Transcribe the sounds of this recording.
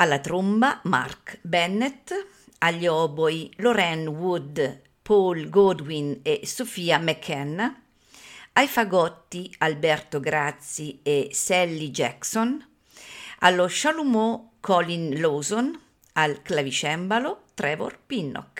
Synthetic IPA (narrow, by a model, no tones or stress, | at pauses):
alːat̪ɾumbama̰rkbɛnːet̪ | aʎːɔːbojloɾɛnwud̪ | polɡod̪winesofiːamɛkʰːɛn | ajfaɡɔt̪ːialbɛrt̪oɡɾat̪siesɛlːid͡ʒɛkson | a̰lːoʃalumɔkʰɔlinloːzon | alklavit͡ʃɛmbalot̪ɾɛːvo̰rpinːɔ̰k